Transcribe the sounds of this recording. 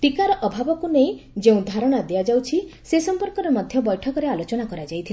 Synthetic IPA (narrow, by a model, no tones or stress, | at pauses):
pikaɾɔʔɔbʱabɔkunejd͡ʒeũd̪ʱaɾɔɽ̃ad̪ijad͡ʒawt͡ʃʰisesɔmpɔɾkɔɾemɔd̪ʱjɔbɔjʈʰɔkɔɾealot͡ʃɔnakɔɾad͡ʒajt̪ʰil